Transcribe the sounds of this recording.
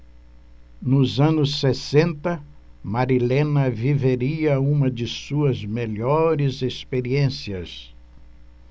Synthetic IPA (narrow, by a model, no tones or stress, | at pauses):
nʊzɐ̃nʊsːesẽnt̪ɐ | maɾilẽnɐviveɾiɐũmɐd͡ʒɪsuɐzmeʎɔɾɪzespeɾiẽsiɐs